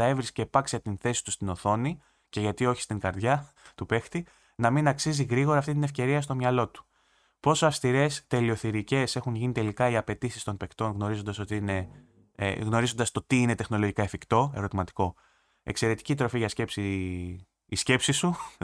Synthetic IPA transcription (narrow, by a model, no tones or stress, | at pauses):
ɐe̞vɾiscepɐksiɐt̪inθe̞si̥t̪ust̪ino̞θo̞ni | ce̞ʝɐt̪io̞çi̥st̪iŋɡɐɾðʝɐ | t̪upe̞xt̪i | nɐminɐksiziɣɾiɣo̞ɾɐːft̪int̪inefce̞ɾiɐst̪o̞mɲɐlo̞t̪u̥ | po̞soɐfst̪iɾe̞st̪e̞lio̞θiɾice̞se̞xunʝinit̪e̞likɐiɐpe̞t̪isist̪o̞npe̞kt̪o̞nɣno̞ɾizo̞nd̪ɐso̞t̪iine̞̰ | ɣno̞ɾizo̞nd̪ɐst̪o̞t̪iine̞t̪e̞xno̞loʝikɐefikt̪o̞e̞ɾo̞t̪imɐt̪i̥ko̞ | e̞̰kse̞ɾe̞t̪i̥cit̪ɾo̞fiʝɐsce̞psiː | sce̞psisu